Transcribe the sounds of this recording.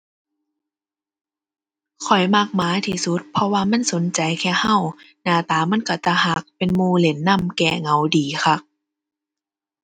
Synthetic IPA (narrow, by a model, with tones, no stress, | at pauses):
kʰɔ˨˩jma˧˩k̚maː˨˦t̪ʰiː˧su˧˦t̪̚pʰɔ˧waː˧ma˧˥˨nso˨˦nt͡ɕa˨jkʰɛː˧˩ha˧˥˨w | naː˧˩t̪aː˨˦ma˧˥˨nka˧˩t̪a˧˩ha˧˦k̚pe˨nmuː˧le˨˦nːa˧˥˨mkɛː˧˩ŋa˨˦wdiː˨˦xʰa˧˩